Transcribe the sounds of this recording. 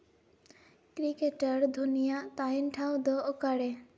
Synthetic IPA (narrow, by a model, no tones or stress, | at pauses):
kɾikeʈaɾd̪ʱunijat̪ajnʈʰawd̪ɔokaɽe